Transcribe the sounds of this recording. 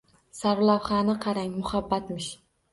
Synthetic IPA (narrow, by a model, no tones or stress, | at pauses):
saɾʊlˠawχɑnɪqʰɑɾaŋmʊhabːat̪mɪʃ